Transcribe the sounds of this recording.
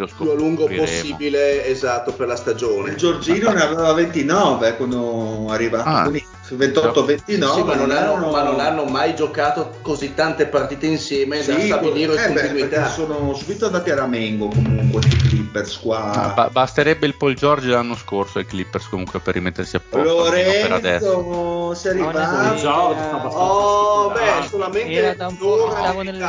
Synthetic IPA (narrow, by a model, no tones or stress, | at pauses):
loskjualuŋɡopioseːiːbileːzat̪ːoperlast̪ad͡ʒoːneld͡ʒord͡ʒiːnoneavevavent̪inɔːvekwand̪oarːivaaini | vent̪ɔt̪ːovent̪inɔveanonanomanːonanːomajd͡ʒokaːt̪o | kozit̪ːant̪epart̪iːt̪einsjɛːmesd̪aiat̪od̪iːɾeonuit̪ɛasoːnosubit̪od̪ap̪jaɾamɛŋɡokomuŋkwest̪iklipːeɾskwaba̰bast̪eɾɛbːeilpɔild͡ʒɔrd͡ʒlanːoskorsoiklipːerskomuŋkweperːimet̪ːersiapːoloɾɛɛeɾa̰d̪ɛsd̪osɛaɾiva | saɔbɛsolament̪eoka | a